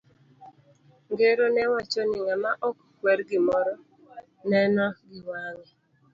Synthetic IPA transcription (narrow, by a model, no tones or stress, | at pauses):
ŋɡeɾonɛwat͡ʃɔnɪŋamaʔɔkkwɛɾɡɪmɔɾɔ | nɛnɔɡɪwaŋɛ